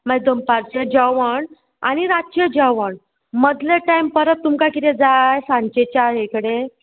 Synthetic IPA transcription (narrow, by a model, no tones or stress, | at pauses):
məd̪əmpaɾt͡ɕed͡ʑəʋəɳ | a̰ñiɾat͡ɕed͡ʑəʋəɳ | məd̪leʈajmpəɾət̪̚t̪ːumkakit̪ed͡zajsãɲt͡ɕet͡ɕaɦekəɽe